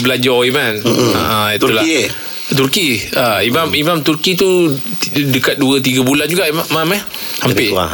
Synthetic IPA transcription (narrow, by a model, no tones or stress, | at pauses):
bəlad͡ʒaoimana̰ʔãit̪ul | t̪urkiaimamimamt̪urkit̪u | dəkat̪̚duət̪̬iɡabuland͡ʒuɡaʔmaməhampɪ